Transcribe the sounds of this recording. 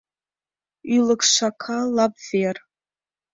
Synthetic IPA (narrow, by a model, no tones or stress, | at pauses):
ilɨkʂʷakʰalabver